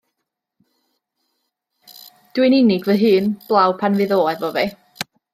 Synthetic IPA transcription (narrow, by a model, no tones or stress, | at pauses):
d̥wɪnɪnɪɡvəɦɨːnb̥lˠawpʰanvɨðoːɛvɔvɛ